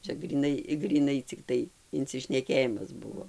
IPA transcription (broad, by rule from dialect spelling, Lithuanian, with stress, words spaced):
ˈt͡ʃʲɛ ɡrʲiːˈnɐɪ ɡrʲiːˈnɐɪ t͡sʲɪkˈtɐɪ ɪnʲt͡sʲɪʃʲnʲɛˈkʲeːjɪmɐs ˈbʊʋoː